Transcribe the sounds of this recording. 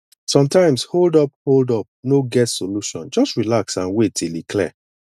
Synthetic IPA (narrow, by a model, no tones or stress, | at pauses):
sɔ̃mtãɪ̃msholdɔp̚holdɔp̚noɡɛtsoluʃɔ̰̃nd͡ʒɔstɹilaksãnwetʰilikʰlɛ̰